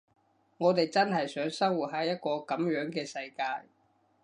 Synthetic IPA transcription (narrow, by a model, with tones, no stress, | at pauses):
ŋɔː˨˧t̪e˨jt͡sɐ˥nhɐ˨jsœː˨˥ŋsɐ˥wu˨˩t̚ɦa˨˥jɐ˥t̚kɔː˧kɐ˨˥mjœː˨˥ŋkɛː˧sɐ˧jkaː˧j